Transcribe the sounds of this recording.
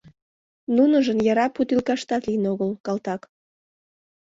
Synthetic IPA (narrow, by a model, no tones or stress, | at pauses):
nunəʒənjɑɾɑput̪ilkɑʃt̪ɑt̪linoɣəlkɑlt̪ɑk